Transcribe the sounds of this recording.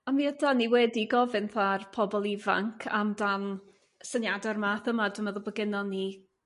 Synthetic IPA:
amiːədaniwɛdiɡɔvɨnθarpʰɔbɔlˠiva̰ŋkʰa̰mdan | sənjadɔrmaθəmadəməðɔbəɡɪnɔni

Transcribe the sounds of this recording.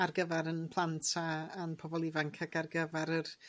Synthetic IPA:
arɡəvaɾənpʰlˠantʰaːnpʰɔbɔlˠivaŋkʰaɡarɡəvaɾər

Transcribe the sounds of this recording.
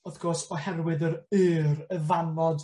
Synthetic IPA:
ɔðɡ̥ɔsɔhɛrwɪðəɾɨːɾəvanɔd

